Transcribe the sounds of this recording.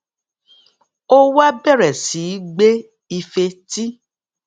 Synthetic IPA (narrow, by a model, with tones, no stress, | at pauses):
o˦wa˦bɛ˦˨ɾɛ˨si˨˦ɡ͡be˦ | i˧fe˧ti˦